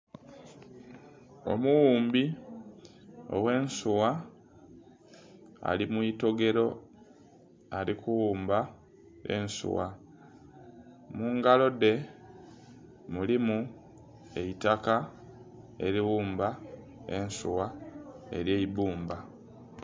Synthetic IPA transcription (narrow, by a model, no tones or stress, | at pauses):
o̞̰muwuːmbi | o̰we̞ːnsuwa | a̰limwuito̞ɡe̞ɾo̞ | alikuwuːmba | e̞̰nsṵwa | muːŋɡalo̞de̞ | mulimu | e̞itaka | e̞ɾiwuːmba | e̞̰nsuwae̞̰ɾje̞ibuːmba